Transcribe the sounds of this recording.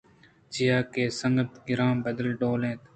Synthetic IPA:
d͡ʒɪjaːkeːsəŋɡət̪ɡɪɾãːmbəd̪əlɖoːlẽːt̪

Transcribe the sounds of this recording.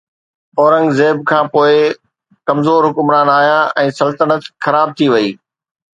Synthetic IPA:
ɔːɾə̃ŋɡzeːbkʰãːpoːɪ | kɐmzoːɾɦʊkʊmɾaːnaːɦjãʔɛ̃ːsɐlt̪ənət̪xɐɾaːb̚t̪ʰiʋɐiː

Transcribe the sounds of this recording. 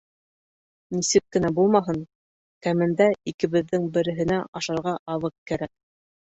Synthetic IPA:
nisɘkkːɘ̆næbulˠmɑɦɤn | kæmɘ̆nd̪æikɘ̆βɘ̆ðːɘŋbɘ̆ɾɘ̆ɦɘ̆næɑʃɑɾʁɑʔɑðˠɤq̚kæɾæk̚

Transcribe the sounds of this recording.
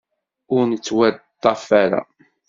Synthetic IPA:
ʊɾnət͡sːwæd̪ˤːɑfæɾa̰

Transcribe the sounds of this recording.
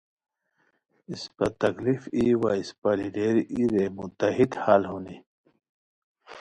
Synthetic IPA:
ispɐt̪ɐklifiwaispɐliɖeɾiɾemut̪ɐɦid̪halɦuni

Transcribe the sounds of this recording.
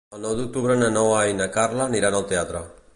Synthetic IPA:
onawd̪uk̚t̪uβɾenenowajnakarlaniɾanalt̪eat̪ɾa

